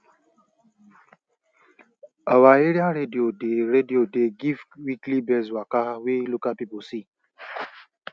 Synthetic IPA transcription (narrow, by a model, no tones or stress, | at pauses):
awaeɾiaɾediodeɾediodeɡivwiklibezwakaɦawelukapiposi